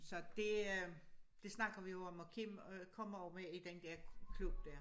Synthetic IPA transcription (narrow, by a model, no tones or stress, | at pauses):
sɒ̽d̥e̝ | d̥e̝snɑ̈ɡ̥ɐʋijo̝ɒ̽mɒkʰimkʰɒ̽m̰ɐɒʊmeid̥end̥æɐkʰlub̥d̥æɐ̰